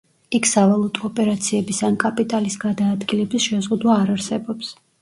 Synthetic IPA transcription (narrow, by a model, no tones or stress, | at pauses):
ikʰsavalˠut̪ʼɔːpʼɛɾat̪sʰiɛbisankʼapʼit̪ʼalisɡad̪aːd̪ɡilɛbisʃɛzʁud̪waːɾaɾsɛbɔps